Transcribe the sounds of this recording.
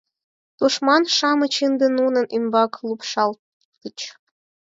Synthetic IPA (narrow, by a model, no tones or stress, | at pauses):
t̪uʂmɑnʂɑmɤ̆t͡ɕind̪ə̆nunɤ̆nimbɑklˠupʂɑl | t̪ə̆t͡ɕ